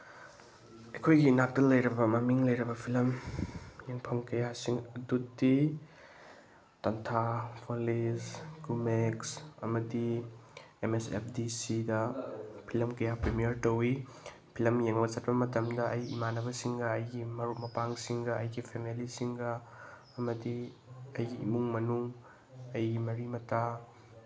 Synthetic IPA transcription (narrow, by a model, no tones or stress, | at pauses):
ɐjkʰojɡinak̚tɐlɐjɾɐbɐmɐmiŋlɐjɾɐbɐpʰilɐm | jeŋpʰɐmkɐjasiŋɐdutdi | tɐntʰapʰolisɡumeksɐ̰mɐdi | emesḛp̚ʰdisidɐpʰilɐmkɐjapɾimijɐɾtɐwi | pʰilɐmjeŋlɐt͡ʃɐt̚pɐmɐtɐmdɐʔɐjḭmanɐbɐsiŋɡɐːjɡimɐɾut̚mɐpaŋsiŋɡɐɐjɡipʰemilisiŋɡɐː | mɐdiɐjɡiːmuŋmɐnuŋ | ɐjɡimɐɾimɐtʰa